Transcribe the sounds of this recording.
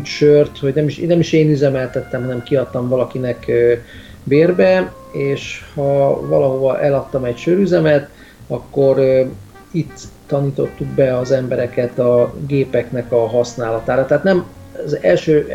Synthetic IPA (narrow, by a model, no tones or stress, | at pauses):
ʃørt̪ho̞ɟnɛmiʃnɛmiʃeːnyzɛmɛlt̪ɛt̪ːɛmɦɒnɛmkiɒt̪ːɒɱvɒlɒkinɛkø | beːrbɛ | eːʃhɒvɒlɒɦo̞vɒʔɛlɒt̪ːɒmɛcʃøɾyzɛmɛt̪ | ɒkːo̞ɾ | it̪ː | ɒniːt̪o̞t̪ːuɡbɛɒzɛmbɛɾɛkɛt̪ɒɡeːpɛknɛkɒɦɒsnaːlɒt̪aːɾɒt̪ɛɦːt̪nɛm | zɛlʃøː